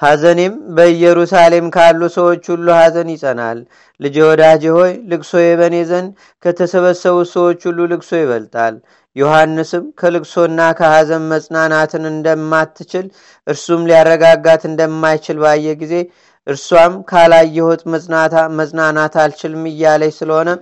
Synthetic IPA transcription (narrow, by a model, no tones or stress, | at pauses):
hazəne̞mbəɨjɛɾusale̞mkʰalːusəwo̞t͡ʃːhulːuhazənjɪsʼəna̰lː | ɨd͡ʒewɔd̪ad͡ʒeho̞jlɨkso̞jɛβəne̞zən | kʰət̪ʰəsəβəsːəβusəwo̞t͡ʃːhulːulɨkso̞jɪβəlt̪ʼa̰l | johanːɨsɨmkʰəlɨkso̞nːakʰəhazənməsʼnanat̪ʰɨnɨnd̪əmːat̪ʰːɨt͡ʃɪl | ʔɨɾsumliarːəɡaɡːat̪ɨnd̪əmːajt͡ʃɪlbajːɛɡize̞ | ʔɨɾswamkʰalajːɛhot̪ʼməsʼaməsʼnanat̪alt͡ʃɪlmːɨjːaləɲsɨləho̞nə